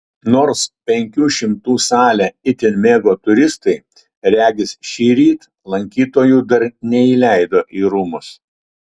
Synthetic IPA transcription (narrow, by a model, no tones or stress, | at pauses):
noːɾspʲɛŋʲkʲuːʃʲɪmt̪uːsɑːlʲæɪt̪ʲɪnʲmʲeːɡoːt̪ʊɾʲɪst̪ɐɪ | ɾʲæːɡʲɪsʃʲiːɾʲiːt̪ | lˠɐŋʲkʲiːt̪oːjuːd̪ɐɾnʲɛilʲæˑɪd̪oːʔiːɾuːmʊs